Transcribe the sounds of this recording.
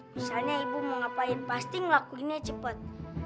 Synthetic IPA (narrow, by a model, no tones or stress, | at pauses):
misalɲaibuməŋapajənpast̪ɪŋlakuinet͡ʃəpət̪̚